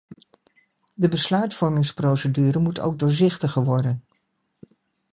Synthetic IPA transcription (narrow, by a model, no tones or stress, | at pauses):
dəbəslœɥtfɔɹmɪŋsprowsədyːɾəmuto̰wɡ̚dʊːɹzɪχtəχəɹʋɔɹdən